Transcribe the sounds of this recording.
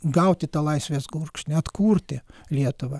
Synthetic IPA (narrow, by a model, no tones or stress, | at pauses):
ɡɐʊt̪ʲɪt̪ɑːlˠɐɪsʲʋʲeːsɡuːrkʃʲnʲɛɐt̪kuːrʲt̪ʲɪlʲiɛt̪ʊʋɐ